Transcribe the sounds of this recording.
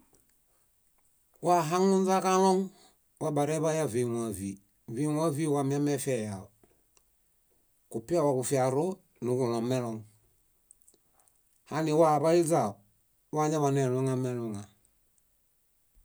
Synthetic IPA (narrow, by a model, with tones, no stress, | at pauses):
wa˦ɦa˦ŋu˦n˦za˦ka˦lo˦ŋ | wa˦ba˨ɾe˦βa˦ja˦vi˨ŋa˨vi˨ | vi˦ŋa˦vi˦wa˨mi˦a˦mɛ˦fɛ˨ja˨o | ku˨pi˦a˦wa˨ku˨fi˨a˨ɾo˦ | nu˨ku˨lɔ˨mɛ˦lɔ˨ŋ | ha˦ni˨wa˦˨βa˦li˦za˨o˨ | wa˦ɲa˦βa˨ne˨lu˦ŋa˦me˨lu˨ŋa˨